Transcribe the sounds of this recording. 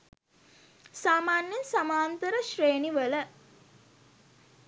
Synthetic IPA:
saːmaːnjensamaːnt̪əɾəʃreːniʋələ

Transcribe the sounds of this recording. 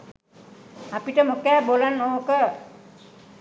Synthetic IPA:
apiʈəmokɛːbolanːookə

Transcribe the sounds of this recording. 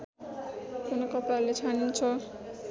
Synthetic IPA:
kunokʌpalet͡sʰanint͡sʰʌ

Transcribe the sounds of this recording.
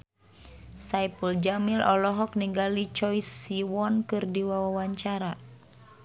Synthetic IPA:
sajpuld͡ʒamilɔlɔɦɔk̚niŋɡalit͡ʃɔjsːiwɔnkɨrdiwawawaɲt͡ʃaɾa

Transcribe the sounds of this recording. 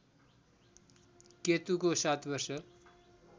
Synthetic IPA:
ket̪ukosat̪ʰbʌrsʌ

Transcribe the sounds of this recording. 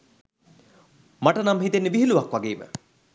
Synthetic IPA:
maʈənamɦit̪enːeʋiɦiluʋakʋaɡeːmə̰

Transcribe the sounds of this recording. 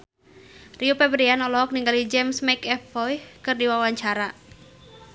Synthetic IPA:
riupɛbəɾianɔlɔɦɔk̚niŋɡalid͡ʒɛmsmakɛfɔjkɨrdiwawaɲt͡ʃaɾa

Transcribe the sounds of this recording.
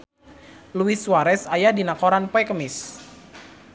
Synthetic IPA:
luiswaɾɛsajadinakoɾanpoɛkəmɪs

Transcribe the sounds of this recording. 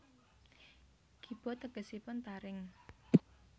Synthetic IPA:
ɡ̥ib̥ɔ̤t̪əɡ̥ə̤sipʊnt̪aɾɪŋ

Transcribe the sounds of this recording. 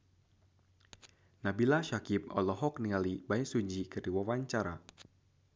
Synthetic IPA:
nabilaʃakip̚ɔ̰lɔɦɔk̚niŋalibaisuɲd͡ʒikɨrdiwawaɲt͡ʃaɾa

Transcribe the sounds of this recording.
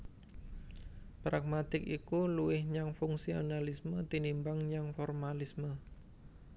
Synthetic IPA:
pɾak̚mat̪ɪkikuluwɪhɲaŋfuŋsionalismət̪inimbaŋɲaŋfɔrmalismə

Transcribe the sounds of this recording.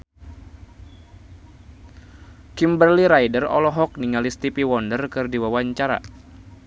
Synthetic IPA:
kimbərliɾajdərɔ̰lɔɦɔk̚niŋalist̪ipiwɔndərkɨrdiwawaɲt͡ʃaɾa̰

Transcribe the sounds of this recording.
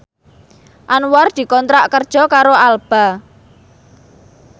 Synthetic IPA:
ʔanward̪̥i̤kɔnt̪ɾaʔkərd̥ʒ̥ɔ̤kaɾoalb̥a̤

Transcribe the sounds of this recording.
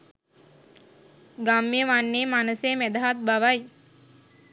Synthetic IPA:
ɡamːijəʋanːeːmanəsemɛd̪aɦat̪̚baʋaj

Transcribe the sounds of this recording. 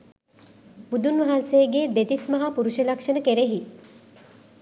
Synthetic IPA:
bud̪unʋɐɦanseːɡeːd̪et̪ismɐɦapuɾuʃelakʂənəkeɾeɦi

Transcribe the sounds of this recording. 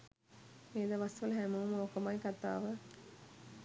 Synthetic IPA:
meːd̪əʋasʋələɦæmuʋməokəmajkat̪a̰ːʋə

